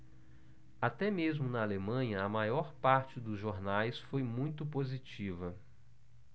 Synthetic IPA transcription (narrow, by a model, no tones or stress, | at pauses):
at̪ɛmezmʊnɐalemɐ̃ɲɐɐmajɔɾpaɾt͡ʃɪd̪ʊzʒoɾnajsfojmũj̃t̪ʊpozit͡ʃivɐ